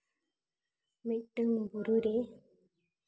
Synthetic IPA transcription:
meʔtəŋbuɾuɾe

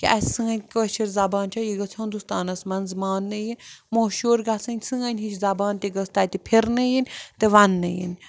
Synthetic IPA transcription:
kiʔɐssɨŋɡɐnʲkəːʃʰiɾzɐbaːnt͡ʃʰɐjiɡət͡sʰɦund̪ust̪aːnɐsmɐnzmaːnːɨjinmoːʃuːɾɡasɨnʲsɨŋɡɐnʲɦit͡ʃʰzɐbaːnt̪ʲiɡəst̪at̪ipʰiɾnɨjinʲt̪eʋanːɨ̰jḭnʲ

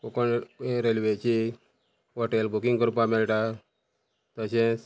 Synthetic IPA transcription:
kokonɾelʋet͡ɕi | ʋɔʈelbukiŋɡkəɾupamelʈa | t̪əɕɛ̃

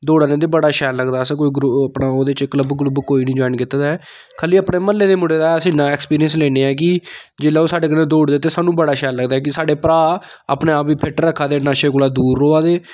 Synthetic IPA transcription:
d̪oːɽaːnẽːd̪eːbəɽaːʃɛːlləɡd̪aːsk̬oːiːɡɾuəpnaːoːd̪et͡ʃɪkləbɡlubkoːiːnĩːd͡ʒɔːɪnkɪt̪ːaːd̪aɛː | kʰəliːəpɽeːməlːeːd̪eːmʊɽeːd̪aːɛəsĩːnãːɛːkspiːɾiənsleːneːɛːk̬ɪd͡ʒeːlaːoːsaːɖeːk̬ənẽːd̪oːɽd̪eːt̪eːsaːnũːbəɽaːʃɛːlːəɡd̪aːɦɛːk̬ɪsaːɖeːpɾaː | a̰ːpnẽːaːpiːpʰɛʈəɾəkʰːaːd̪eːnãːʃeːkʊlaːd̪uːɾːoːaːd̪eː

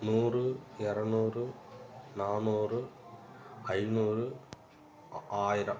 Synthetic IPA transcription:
nuːrɨerɐnuːrɨnaːnuːrɨ | ɐjnuːrɨ | aːjiɾɐm

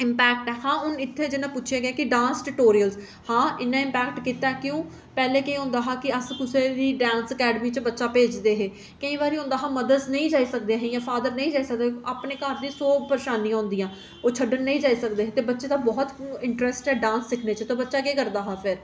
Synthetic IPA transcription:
ɪmpɛːkʈɛːhãːɦʊnɪt̪ʰːeːd͡ʒɪnãːpʊʃʰijaːɡaːkɪɖãːnsʈɪʈoːɾiəlz | hãːɪnːãːɪ̃mpɛːkʈkiːt̪aːɛkjõː | pɛːleːkeiːɦʊ̃ːnd̪aːɦaːkɪəskʊseːd̪iːɖãːnsəkɛːɖəmiːt͡ʃbətːʃaːpeːd͡ʒd̪eːɦeː | kəĩːʋaːɾiːɦʊ̃nd̪aːɦãːməd̪əɾznəĩːd͡ʒaːisək̚d̪eɦẽjãːpʰaːd̪əɾnəĩːd͡ʒaːisək̚d̪eːaːpneːkəɾd̪ĩːsoːpəɾeʃaːnĩːãɦʊ̃nd̪ijãː | oːt͡ʃʰəɖənːəĩːd͡ʒaːiːsək̚d̪eːɦeːt̪eːbətːʃeːd̪ãːbɔːt̪ɪɳʈɾɛːsʈɦɛːɖãːnssɪkʰneːt͡ʃət̪oːbətːʃaːɡeːkəɾd̪aːɦãːpʰɪɾ

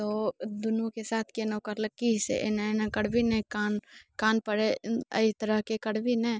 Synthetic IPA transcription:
t̪od̪ʊnũkesaːt̪ʰkenokəɾlək̚kiɦsḛʔḛnaenakəɽbʱinɛkankaːnpəɾeə̰it̪əɾəɦkekəɽbʱinɛ

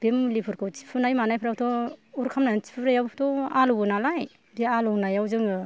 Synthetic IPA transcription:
b̥emlipʰɯɾkʰɯwt͡ʃi̥pʰɯnajmanajpʰɯɾatʰɔuɾkʰamnat͡ʃi̥pʰuɾajawpʰtʰɔaluwɯnalaj | dialɔnajawzɯŋɯ

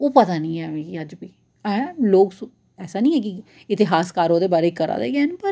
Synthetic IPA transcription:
oːpət̪aːnĩːɛːmẽːkiəd͡ʒbiː | ɛ̃ːloːksõ | ɛːsaːnĩːɦɛːk̬ɪ | ɪt̪ɪɦaːskaːɾoːd̪eːbaːɾeːkəɾa̰ːd̪ḛːɡeːnpəɾ

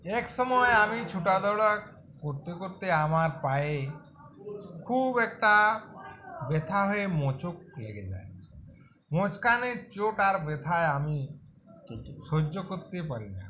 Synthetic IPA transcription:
ɛksɔmɔeamit͡ʃʰuʈad̪ɔwɽa | koɾt̪ekoɾt̪eamaɾpae | kʰubɛk̚ʈa | bet̪ʰaɦoemot͡ʃok̚lḛɡed͡ʒa̰e | mot͡ʃkanet͡ʃoʈaɾbet̪ʰaeami | ʃod͡ʒokoɾt̪epaɾina̰

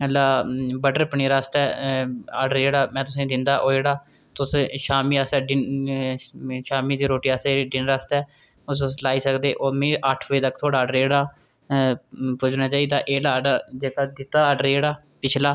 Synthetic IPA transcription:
əlːaːbəɖəɾpəɳiːɾaːst̪ɛːa̰ːɖəɾeːɽaːmɛ̃ːt̪̬ʊsẽːd̪ɪnd̪aːʔoːeːɽaː | t̪ʊsʃaːmiːasɛːɖɪn | ʃaːmiːd̪eːɾoːʈiːasiɖɪnɾaːst̪ɛː | ʊslaːiːsəkd̪eːʔoːmẽːəʈʰʋəiːt̪əkt̪ʰoːɽaːɖəɾeːɽaː | pʊd͡ʒnãːt͡ʃaːiːd̪aːʔeːɽaːɖaːd͡ʒeːkaːd̪ɪt̪ːaːɖəɾeːɽaː | pɪt͡ʃʰlaː

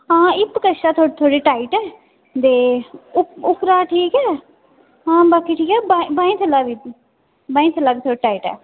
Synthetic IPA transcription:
ɦãːɪt̪kəʃaːt̪ʰoːɽet̪ʰoːɽeːʈaːiʈɛː | d̪eːʊʊkɾaːʈʰiːkɛː | ɦãːbaːkiːʈʰiːkɛːbaibãːĩːt̪ʰəlːaːʋiː | bãːĩt̪ʰəlːaːbiːt̪ʰoːɽiʈaːiːʈɛ̰ː

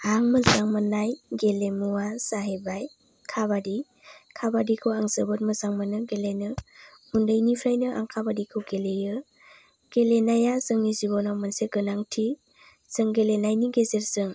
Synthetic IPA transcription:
aŋməzaŋmɯnajɡelemuwasaɦebaj | kʰaβadi | kʰabadikʰɯwaŋzɯbɯt̚məzaŋmɯnɯɡelenɯ | hundɯjnipʰɾajnɯʔa̰ŋkʰabadikʰɯwɡelejɯ | ɡ̥elenajazɯŋnizibɔnawmanseɡɯnaŋtʰi | z̥ɯŋɡelenajniɡezeɾz̥ɯŋ

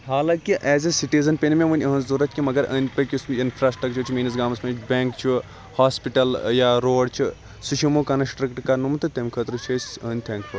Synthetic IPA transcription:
ɦaːlãːkiʔɛːzesiʈizɐnpenmẽʋunʲɐɦə̃nzuɾɐt̪kʲimɐɡɐɾɐ̰ːnʲpɾɐkʲusinpʰɾaːsʈɾɐkt͡ʃʰut͡ʃʰimiːnɐsɡaːmɐsmẽt͡ʃbʲẽːŋkt͡ʃʰi | haːspiʈɐljaːɾoːɖt͡ʃʰi | suʃʰimukɐnɐsʈɾɐkʈkɐnumt̪ɨt̪emʲkʰɐt̪ɾut͡ʃʰesɐnʲt̪ʰɛ̃ːŋkfʰu

